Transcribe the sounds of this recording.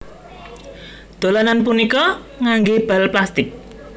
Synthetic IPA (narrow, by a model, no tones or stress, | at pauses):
d̪̥o̤lananp̬unikɔ | ŋaŋɡeb̥a̤lplast̪ɪk̚